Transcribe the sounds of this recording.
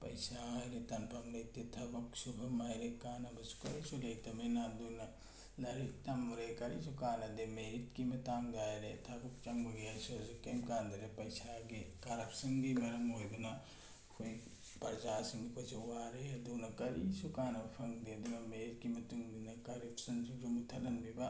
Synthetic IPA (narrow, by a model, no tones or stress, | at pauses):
pɐ̰jsalet̪ɐnpɐmlet̪ːit̪ʰɐbɐksubʱɐmɐjɾekaːnɐbɐsu̥kɐɾisuleit̪ɐmenad̪unɐ | lɐɾit̪ɐmːuɾekɐɾḭsukaːnɐd̪emeɾit̪kimɐt̪aŋɡd̪ajlet̪ʰɐbuk̚t͡ʃɐŋboɡiasozukɐmkaːnd̪ɐɾepɐjsaɡikɐɾɐpsɐnɡimɐɾɐmɦojbunɐ | kʰuj | pɐɾd͡ʒasiŋɡikozɐwaɾeɐd̪unɐkɐɾisukanɐbɐpʰɐŋd̪ed̪imɐmeɾit̚kimɐtuŋdinɐkɐɾɐpsɐnsud͡ʒumut̪ʰɐtɐnbiba